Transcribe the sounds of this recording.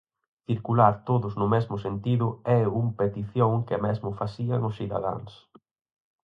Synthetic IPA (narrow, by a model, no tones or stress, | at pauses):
θiɾkulaɾt̪oðʊznʊmɛzmʊsent̪iðʊɛumpet̪iθjoŋkɪmɛzmʊfasiaŋʊsiða̰ða̰ŋs